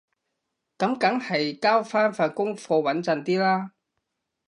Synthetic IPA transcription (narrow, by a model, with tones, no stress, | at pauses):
kɐ˨˥mkɐ˨˥ŋhɐ˨jkaː˥wfaː˥nfaː˧t̚kʊ˥ŋfɔː˧wɐ˨˥nt͡sɐ˨nt̪iː˥laː˥